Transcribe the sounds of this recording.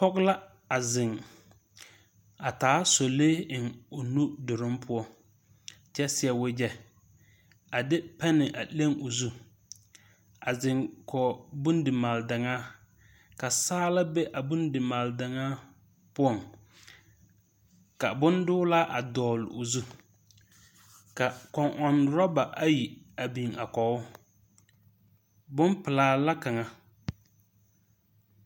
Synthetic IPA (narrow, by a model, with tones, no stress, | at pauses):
pɔ˦kla˦ | a˨zɪ˨ŋ | a˨taː˨˦so˨leː˦ɪ˨ŋʊ˨nu˦dʊ˨ɾɪ˦mpʰʊ˦ɔ˨ŋ | t͡ʃɛ˦sɪ˦ɛ˦wɪ˦d͡ʒɛ˦ | a˨dɪ˦pɛ˦nɪ˨ʔa̰˨le˦ŋo˨zu˦ | a˨zɪ˨ŋkʰɔ˨bu˦ndɪ˨maː˨lda˨ŋaː˦ | ka˨saː˦la˦bɛ˦ʔa˨bʊ˦ndɪ˨maː˨lda˨ŋaː˦ | pʊ˦ɔ˨ŋ | ka˨bʊ˦ndʊː˦la˦ʔa˨dɔː˨lo̰˨zu˦ | ka˨kɔ˨ŋʔɔ˨n˨ɾɔ˦ba˨ʔa˦ji˨ | a˨bi˨ŋa˨kɔ˨ʊ˦ | bʊ˦npɪ˨laː˨la˦ka˨ŋa˨